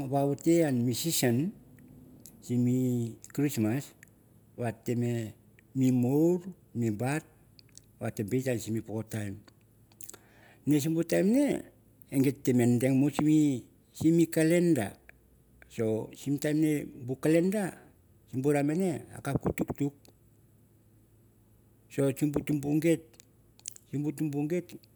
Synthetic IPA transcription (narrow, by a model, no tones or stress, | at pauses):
βaβute̞anmisisan | simikɾismas | βatːe̞me̞ | mimowɾ | mibat̚ | βate̞mbe̞jtansimipokotajm | ne̞s̬imbutajmne̞̰ | eŋɡe̞tːeme̞nde̞ŋmosimi | simikale̞nda̰ | so̞simtajmnebukale̞nda | simbuɾamene̞a̰kakutuktuk̚ | so̞simbutumbuŋɡe̞t̚ | simbutumbuŋɡe̞t